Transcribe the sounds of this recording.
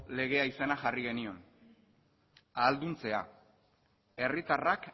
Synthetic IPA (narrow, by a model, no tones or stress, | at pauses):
le̞ɣ̞e̞aisenaʝariɣe̞nio̞n | aːld̪unt͡se̞a̰ | e̞rit̪arak